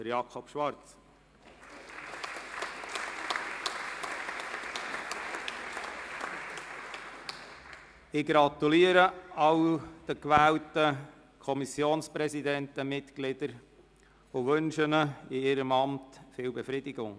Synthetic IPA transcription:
d̥əɾjɑkʰɔpʃʋɑɾt͡s | ɪɡɾɑtuliːəɾəɑwd̪̥əkʋæːltə | kʰɔmisjoːnspɾɛzidɛntəmɪtklɪd̥əɾ | ʊʋɵnʃənəɪɪɾəmɑmtfɪːwbefɾidɪɡʊŋ

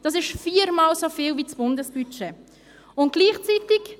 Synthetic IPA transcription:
d̥ɑsɪʃfiːɾmɑːlsofiːlvisb̥ʊndəsb̥yt͡ʃe | ʊnt̚ɡ̥liːχt͡sit̪ɪk

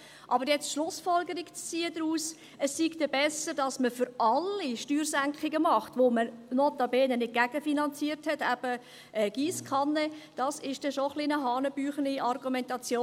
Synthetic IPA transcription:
ʔɑbəɾjɛt͡stʃlʊsfɔlɡəɾikt͡st͡siədɾuːs | əsːiktɛbɛsəɾdɑsməfʏɾʔɑlːiʃtyːrsæŋkχɪɡəmɑχtʋomənotɑbɛːnənɪd̚ɡæɡ̥əfinɑnt͡siːəɾthɛtæb̥ə | ɛːɡ̥iːskʰɑnːəd̥ɑsɪʃd̥ɛʃoχlinəɦɑːnəb̥yːχəniʔɑrɡumɛntɑt͡sjoː

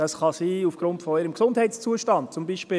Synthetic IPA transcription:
d̥ɑsχɑsiːufɡ̥ɾʊntfɔɪɾəmksʊndhɛɪtst͡suəʃtɑnt̚t͡sʊmbiːʃpɪː

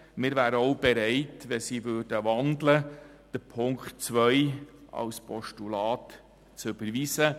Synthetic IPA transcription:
mɪɾvæːɾəɔʊbɛɾɛɪtʋɛsiːʋøːd̥əʋɑndlə | d̥əpʰʊŋkχtt͡sʋœjɑ̰wspʰɔʃtulɑːt | t͡søb̥əɾʋiːsə

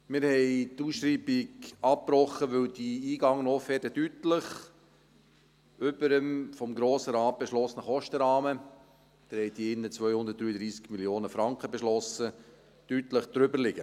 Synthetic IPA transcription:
mɪɾhɛɪtuːsʃɾiːbɪɡɑp̚pɾɔχːəʋɵwd̥iiːɡɑŋːnɔːfɛːdədytləχ | ʏbəɾəmfɔmɡɾoːsəɾɑːt̚b̥eʃlɔsnəχɔʃtəɾɑːmə | d̪̥ɛɾhɛɪd̥̪iːɪnːət͡sʋœʏhʊnd̪ətd̥̪ɾyːəd̪ɾiːskmiljoːnəfɾɑŋkχəbeʃlɔsə | tytləχd̥̪ɾʏbəɾlɪɡə

